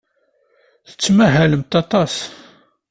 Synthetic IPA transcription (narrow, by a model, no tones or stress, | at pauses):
θə̥t͡sːmæɦæləmt̪ɑt̪ˤɑs